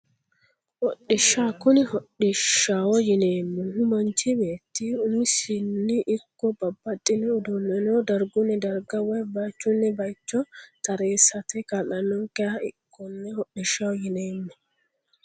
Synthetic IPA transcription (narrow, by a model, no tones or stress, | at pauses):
hɔɗːɪʃːaːkʊnɪhɔɗɪʃːawɔjɪneːmːɛhʊmɐnt͡ʃːɪbe̞ːt̪ːiʊmːɪsɪnːɪʔɪkːɔbɐbːɐt̪ʼːɪnɛʊd̪ʊmːɛnoːd̪ɐɾɡʊnːɛd̪ɐɾɡɐwɔjbɐjt͡ʃːʊnːɛbɐjt͡ʃːɔt̪ɐɾeːsɐt̪ɛkɐlɐnːɔŋkɛjɐɪkʰːɔnːɛhɔɗɪʃːɐwɔjɪneːmːɛ